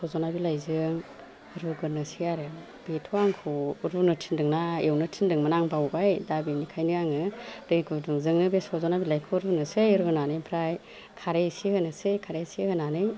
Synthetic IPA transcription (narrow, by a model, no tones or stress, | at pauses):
sʰɔzɔnabilajzɯŋ | ɾuɡɯnɯsijaɾem | b̥etʰɔaŋkʰuɾunɯtʰindɯŋnaewnɯtʰindɯŋmanaŋbawbajdabinikʰajnɯjaŋɯdɯjɡuduŋzɯŋnɯbesʰɔzɔnabilajkʰɯɾunɯsɯjɾuɡɯnanɯjpʰɾaj | kʰaɾesihɯnɯsɯjkʰaɾesihɯnanɯj